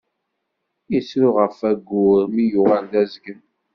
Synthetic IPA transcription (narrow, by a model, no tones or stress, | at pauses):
isɾʊʁəfæɡːʊɾmijʊʁald̪æzɡən